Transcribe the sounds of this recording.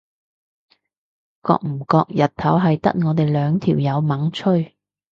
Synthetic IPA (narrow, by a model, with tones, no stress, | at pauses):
kɔ̰ː˧k̚m̩˨˩kɔː˧k̚jɐ˨t̚t̪ʰːɐ˨˥wɦɐ˨jt̪ɐ̰˥k̚ŋɔː˨˧t̪e˨jlœː˨˧ŋt̪ʰiː˨˩wjɐ˨˧wmɐ˨˥ŋt͡ʃʰɵ˥ɥ